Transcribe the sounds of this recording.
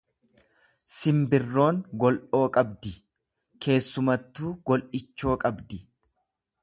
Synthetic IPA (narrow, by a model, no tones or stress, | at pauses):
sɪmbɪrːo̞ːŋɡɔlʔo̞ːkʼɐbd̪ɪ | kʰe̞ːsːʊmɐt̪ːuːɡ̥ɔlʔɪt͡ʃːo̞ːkʼɐbd̪ɪ